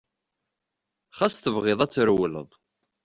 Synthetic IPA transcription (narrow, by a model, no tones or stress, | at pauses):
χæsθəvʁeðˤæt͡sːəɾwələ̰ðˤ